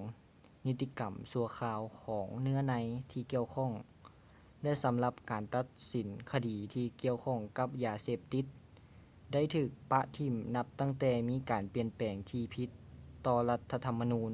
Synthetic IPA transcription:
ŋ | ni˧t̪ːi˧ka˨˩msu˧ɐkʰaː˧wkʰɔː˩˦ŋnɯ˧˥ɐna˧˥jt̪ʰiː˧ki˧˨əwkʰɔ˧˥˩ŋ | lɛ˧˥sa˨˦mla˧p̚kaː˨˩nt̪a˧˥t̪̚si˨˦nkʰa˧diː˨˩t̪ʰiː˧ki˧˨əwkʰɔ˧˩ŋka˧˦˥p̚jaː˨˩seː˧˩p̚t̪i˧˥t̪̚ | da˥˩jt̪ʰɯː˧˩k̚pa˧ʔt̪ʰi˧˩mna˧p̚t̪a˥˩ŋt̪ɛː˧˩miː˧˥˨kaː˨˩npi˨˩ənpɛː˨˩ŋt̪ʰiː˧pʰi˧˦˥t̪ːɔː˧la˧t̪ʰːa˧t̪ʰa˧mːa˧nuː˧˥n

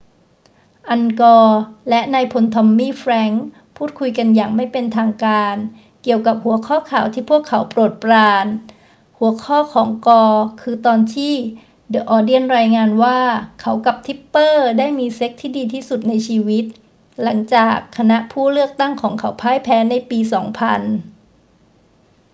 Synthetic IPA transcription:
ʔa˧nkɔː˧lɛ˦˥ʔnaː˧jpʰo˧nt̪ʰɔ˧mːiː˥˩fɾɛ˦˥ŋ | pʰuː˥˩kʰu˧jka˧njaː˨˩ŋma˥˩jpe˧nt̪ʰaː˧ŋkaː˧n | ki˨˩əwka˨˩p̚hu˩˦ɐkʰɔː˥˩kʰaː˨˩wt̪ʰiː˥˩pʰu˥˩əkʰːa˩˦wpɾoː˨˩t̪̚pɾaː˧n | hu˩˦ɐəkʰɔː˥˩kʰɔː˩˦ŋkɔː˧kʰɯː˧t̪ɔː˧nt̪ʰiː˥˩ | dɤ˨˩ʔɔː˧di˥˩ənɾaː˧jŋaː˧nwaː˥˩kʰa˩˦˥wka˨˩p̚t̪ʰi˦˥pːɤː˥˩daː˥˩jmiː˧se˦˥k̚t̪ʰiː˥˩diː˧t̪ʰiː˥˩su˨˩t̪̚na˧jt͡ɕʰiː˧wi˦˥t̪̚ | la˩˦ŋt͡ɕaː˨˩kʰːa˧na˦˥ʔpʰuː˥˩lɯ˥˩ək̚t̪a˥˩ŋkʰɔː˩˦ŋkʰa˩˦wpʰaː˦˥jpʰɛː˦˥na˧jpiː˧sɔː˩˦ŋpʰa˧n

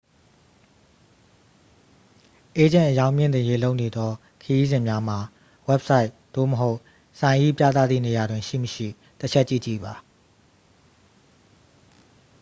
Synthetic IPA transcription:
ʔe˦d͡ʑɪ̃˦˨ʔəjã˦ʊ̃mjɪ̃˦˨nt̪ɪ̃˨je˦lo˦ʊʔne˨d̪ɔ˦ | kʰəji˦zɪ̃˨mja˦m̥a˨ | wɛ˦p̚sa˦ɪʔ | d̪̥o̰˦˨məɦo˦ʊʔ | sã˨ɪ̃ʔi˦˨pja̰˦t̪a̰˦˨d̪ðḭ˦˨ne˨ja˨dwɪ̃˨ʃḭ˦˨məʃḭ˦˨ | tət͡ɕʰɛ˦ʔt͡ɕḭ˦˨t͡ɕḭ˦˨ba˨

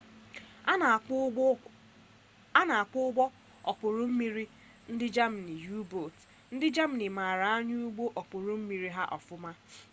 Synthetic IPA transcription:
a˦na˨a˨k͡pʊ˦ɡ͡bɔ˦ | ɔ˨k͡pʊ˨ɾʊ˦m̩˦mi˦ɾi˦ | n̩˦dɪ˦d͡ʒa˦m̩˨ni˨ju˦bo˨t | n̩˦dɪ˦d͡ʒa˦m̩˨ni˨ma˨ɾa˨a˦ɲʊ˦u˦ɡ͡bo˦ʔɔ˨k͡po˨ɾʊ˦m̩˦mi˨˦ɾi˦ɦa˦ʔɔ̰˨fʊ˦ma˦

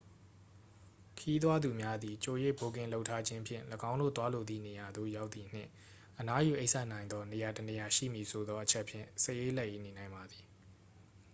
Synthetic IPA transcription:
kʰəji˦t̪̬wa˦d̪u˨mja˦d̪i˨t͡ɕo˨jḛ˦˨bo˨ɡɪ̃˨lo˦ʊtʰːa˦d͡ʑɪ̃˦pʰjɪ̰̃˦˨ləɡã˦ʊ̃ndo̰˦˨t̪wa˦lo˨d̪ðḭ˦˨ne˨ja˨d̪o̰˦˨ja˦ʊt̪θi˨n̥ɪ̰̃˦˨ | ʔəna˦ju˨ʔe˦ɪʔsɛ˦ʔnã˨ɪ̃nd̪ðɔ˦ne˨ja˨təne˨ja˨ʃḭ˦˨mji˨sʰo˨d̪ɔ˦ʔət͡ɕʰɛ˦ʔpʰjɪ̰̃˦˨sə˦˨je˦lɛ˦ʔje˦˨ne˨nã˨ɪ̃mba˨d̪i˨

